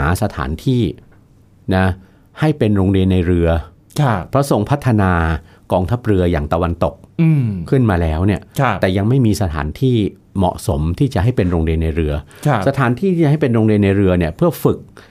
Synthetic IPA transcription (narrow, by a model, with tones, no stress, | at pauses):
sa˧t̪ʰa̰ː˩˦nt̪ʰiː˥˩ | na˦˥ | ha˥˩jpe˧nɾoː˧ŋɾi˧ənːa˧jɾɯ˧ɐ | kʰpʰɾɔ˦˥so˨˩ŋpʰa˦˥t̪ʰːa˧naː˧ | kɔː˧ŋt̪ʰa˦˥p̚ɾɯ˧ɐjaː˨˩ŋt̪a˧wa˧nt̪o˨˩k̚ːkʰɯ˥˩nmaː˧lɛː˦˥wni˥˩ɐ˥ɛː˨˩ja˧ŋma˥˩jmiː˧sa˧t̪ʰa̰ː˩˦nt̪ʰiː˥˩ | mɔ̰˨˩ʔso˩˦mt̪ʰiː˥˩t͡ɕa˨˩ʔɦa˥˩jpe˧nɾoː˧ŋɾi˧ənːa˧jɾɯ˧ɐ | sa˧t̪ʰaː˩˦nt̪ʰiː˥˩t̪ʰiː˥˩a˨ɦa˥˩jpe˧nɾoː˧ŋɾi˧nːa˧jɾɯ˧ɐni˥˩ɐpʰɯ˥˩ɐfɯ˨˩k̚